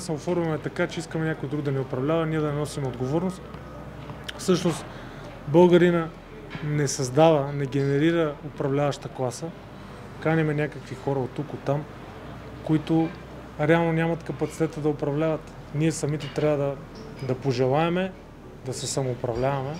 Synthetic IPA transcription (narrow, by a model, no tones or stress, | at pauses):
sɛofɔɾvɐmɛt̪ɐkat͡ʃɛiskəmɛnʲakojd̪ɾuɡ̚d̪ɐnɛʊpɾɐvlʲavɐniɛd̪ɐnɛnɔsimɛod̪ɡovɔɾnost̪ | fsɤʃnost̪ | bɤlˠɡɐɾinə | nɛsɐzd̪avɐnɛɡɛnɛɾiɾəʊpɾɐvlʲavɐʃt̪əklˠasə | kanʲimɛnʲakəkvixɔɾəot̪ːukot̪ːam | koit̪ʊ | ɾɛalˠnonʲamɐt̪kɐpɐt̪si̥t̪ɛt̪əd̪ɐʊpɾɐvlʲavɐt̪ | niɛsɐmit̪ɛt̪ɾʲavəd̪ɐ | d̪ɐpoʒɛlˠaɛmɛ | d̪ɐsɛsɐmoːpɾɐvlʲavɐmɛ